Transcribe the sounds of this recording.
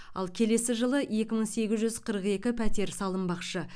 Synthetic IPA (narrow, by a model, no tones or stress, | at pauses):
ɑ̰lˠkʲʰe̞le̞sɪʒəlˠəje̞kʲɪməɴse̞ɡʲɪzʒʏzqʰəɾəqe̞kʲɪpʰæt̪e̞ɾsɑlˠəmbɑqʃə